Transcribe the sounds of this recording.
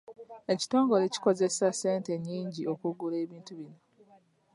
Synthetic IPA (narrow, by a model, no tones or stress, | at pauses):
e̞ci̥to̞ːŋɡo̞leci̥ko̞zesaseːnte̞ɲːiːɲɟio̞kuɡule̞ːβiːntuβino